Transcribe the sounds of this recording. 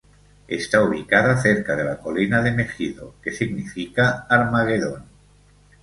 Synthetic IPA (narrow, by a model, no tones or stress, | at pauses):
ḛst̪auβ̞ikaðaθeɾkaðelakolinaðeme̞xiðo̰ke̞siɣnifikaːɾmaɣeðon